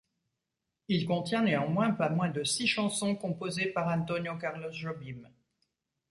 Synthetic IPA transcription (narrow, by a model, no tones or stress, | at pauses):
ilkɔ̃t̪jɛ̃neɑ̃mwɛ̃pamwɛ̃d̪əsiʃɑ̃sɔ̃kɔ̃pozepaʁɑ̃t̪ɔnjokaʁlosʒɔbim